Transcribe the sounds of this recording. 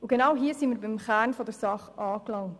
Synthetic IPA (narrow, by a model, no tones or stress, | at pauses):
uɡ̥enɑwɦiːsiːməɾbɪmχæːɾnfɔdəɾsɑχɑːklɑŋt